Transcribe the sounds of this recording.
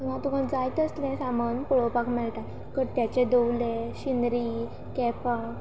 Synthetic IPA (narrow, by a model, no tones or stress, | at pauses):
nãt̪um̤ad͡zajt̪əst̪lẽsamənpuɭopakmɛɭʈ̪a | kəɾt̪jat͡ɕed̪owleɕinɾiː | kɛpa